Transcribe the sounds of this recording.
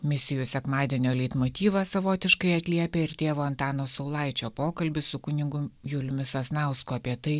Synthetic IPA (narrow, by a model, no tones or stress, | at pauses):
mʲɪsʲɪjʊsʲɛkmɑːd̪ʲiɛnʲoːlʲɛɪt̪moːt̪ʲiːʋɐsɐʋoːt̪ʲɪʃkɐɪɐt̪ʲlʲiɛpʲeːɪɾt̪ʲeːʋoːɐnt̪ɑːnoːsɐʊlˠɐɪt͡ʃʲoːpoːkɐlʲbʲɪsʊkʊnʲɪɡʊjʊlʲʊmʲɪsɐsnɑˑʊskʊɐpʲiɛt̪ɐɪ